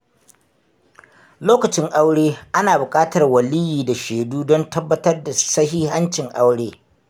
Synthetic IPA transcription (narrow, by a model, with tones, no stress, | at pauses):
loː˦kɐ˨t͡ʃɪ˦ŋʔa˦wɽeː˦ʔa˦naː˨bʊ˨kʼaː˦tɐ˨rwɐ˨li˦jiː˨da˨ʃeː˨duː˦dɔ˦ntɐ˦bːɐ˦tɐ˦rda˨sɐ˦ɦiː˦ɦa˦nt͡ʃɪ˨ŋʔa˦wɽeː˦